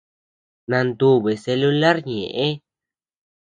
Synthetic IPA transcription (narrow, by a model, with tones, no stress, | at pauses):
nã˧nd̪u˦βe˨se˧lu˦la˦ɾɲḛ̃˨ʔe˦